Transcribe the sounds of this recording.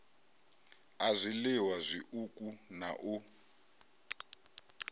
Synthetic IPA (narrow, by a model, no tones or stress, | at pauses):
azʷiliwazʷiʔukʼunaʔu